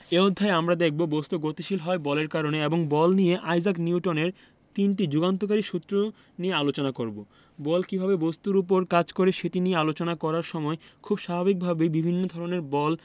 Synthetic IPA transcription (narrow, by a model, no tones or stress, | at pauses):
eod̪ʱːaeamɾad̪ek̚ʰbobost̪uɡot̪iʃilɦɔebɔleɾkaɾoneeboŋbɔlnijeʔajzakniuʈoneɾ | t̪inʈid͡ʑuɡant̪̬okaɾiʃut̪ːɾo | niealot͡ɕonakoɾbo | bɔlkibʱabebost̪uɾup̬oɾkad͡ʑkoɾeʃeʈinijealot͡ɕonakɔɾaɾʃɔmɔekʰubʃabʱabik̚bʱabebibʱinːod̪ʱɔɾoneɾbɔl